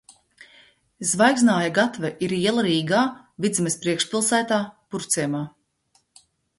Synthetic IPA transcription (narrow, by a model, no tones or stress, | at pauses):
zvajɡznaːjaɡat̪vɛʔiɾiɛlˠaɾiːɡaː | vid̪zimɛspɾiɛkʃpʲilˠsæːt̪aːpuɾt̪sʲiɛmaː